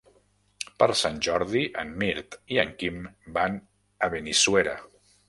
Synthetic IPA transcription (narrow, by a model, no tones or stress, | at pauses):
pəɾsanʲʒɔɾðiʔənmiɾt̪iəŋkimban | əβənisweɾə̰